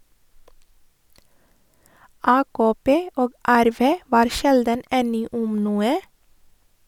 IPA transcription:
ˈɑːkoːˌpeː ˈoːɡ ˈæɾˌʋeː ˈʋɑːɾ ˈʃɛldən ˈɛnɪ ˈʊm ˈnuːə

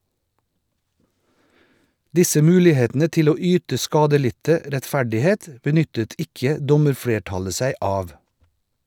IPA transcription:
ˈdɪsə ˈmʉːlɪˌheːtn̩ə ˈtɪl ˈoː ˈyːtə ˈskɑːdəˌlɪtə ɾɛtˈfæɖɪˌheːt bəˈnʏtət ˈɪkə ˈdɔməɾˌfɽeːˌʈɑlə ˈsæɪ ˈɑːʋ

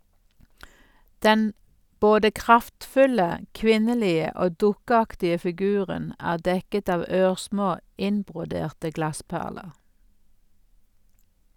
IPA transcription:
ˈdɛn ˈboːdə ˈkʁɑftˌfʉlə ˈkʋɪnəˌliːə ˈoː ˈdʊkəˌɑktɪə fɪˈɡʉːʁən ˈæːʁ ˈdɛkət ˈɑːʋ ˈøːʁˌsmoː ˈɪnbʁʊˌdeːʁtə ˈɡlɑˌspæʁləʁ

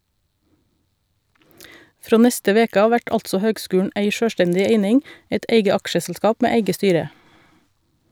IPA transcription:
ˈfɾoː ˈnɛstə ˈʋeːkə ˈɑːʋ ˈʋæʈ ˈɑltsɔ ˈhøːɡˌskʉːɳ̩ ˈeɪ ˈʃøːˌʃʈɛndɪ ˈeɪnɪŋ ˈeɪt ˈʔeɪɡə ˈɑkʃəsl̩ˌskɑːp ˈmeː ˈeɪɡə ˈstyːɾə

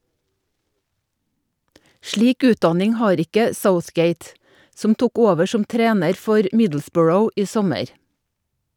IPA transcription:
ˈʃɭiːk ˈʉːtˌdɑnɪŋ ˈhɑːɾ ˈɪkə ˈsəʊθˌɡeɪt ˈsɔm ˈtʊk ˈoːʋə ˈʃɔm ˈtɾeːnəɾ ˈfɔɾ ˈmɪdl̩ˌsbɔɹəʊ ˈiː ˈsɔməɾ

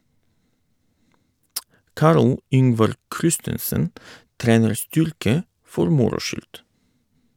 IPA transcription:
ˈkɑɾl ˈʏŋʋɑɾ ˈkɾɪstənsən ˈtɾeːnəɾ ˈstʏɾkə ˈfɔɾ ˈmʊɾʊ ˈʃʏlt

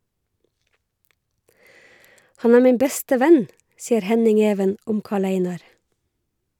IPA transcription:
ˈhɑn ˈæːɹ ˈmiːm ˈbɛstə ˈʋæn ˈsiːəɾ ˈhɛnɪŋ ˈeːʋən ˈʔʊm ˈkɑːˌɭeɪnɑɾ

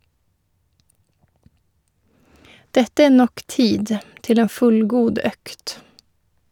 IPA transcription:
ˈdɛtə ˈeː ˈnɔk ˈtiːd ˈtɪl ˈeːn ˈfʉlˌɡuːd ˈœkt

